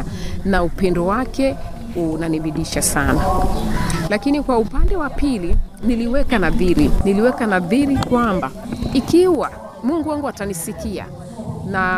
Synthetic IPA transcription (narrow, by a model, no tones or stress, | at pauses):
anaupɛndɔwakɛ | unaniɓiɗiʃasana | lakinikwaupandɛwapiliniliwɛkanaðiɾiniliwɛkanaðiɾikwambaikiwa | muŋɡuwɛŋɡuatanisikia̰ | na